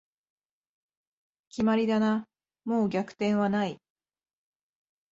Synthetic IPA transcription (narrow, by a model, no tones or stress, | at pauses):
kʲimaɾʲid̪ana | mo̞ːɡʲakɯ̟̥t̪ẽ̞ɰ̃βanai